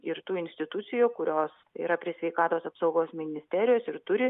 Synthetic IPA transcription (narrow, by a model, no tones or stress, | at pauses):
ɪɾt̪uːɪnʲsʲt̪ʲɪt̪ʊt̪sʲɪjuːkʊɾʲoːsḭːɾɐpʲɾʲiɪsʲʋʲɛɪkɑːt̪oːsɐpsɒʊɡoːsmʲɪnʲɪsʲt̪ʲæːɾʲɪjoːsɪɾt̪ʊɾʲɪ